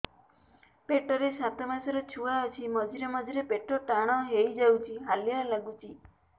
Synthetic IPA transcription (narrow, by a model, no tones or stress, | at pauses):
peʈɔɾesat̪ɔmasɔɾɔt͡ʃʰuaɔt͡ʃʰimɔd͡ʒiɾemɔd͡ʒiɾepeʈɔʈaɽ̃ɔɦejd͡ʒawt͡ʃʰiɦalijalaɡut͡ʃʰi